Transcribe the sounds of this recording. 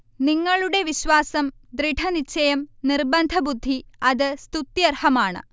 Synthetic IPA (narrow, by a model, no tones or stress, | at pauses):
niŋːɐɭuɽe̞ʋiɕʋaːsɐmd̪ɾiʈʰɐnit͡ɕːɐjɐmnirbɐnd̪ʱɐbud̪ʱːiɐðɨst̪ut̪jɐrhɐmaːɳɨ̰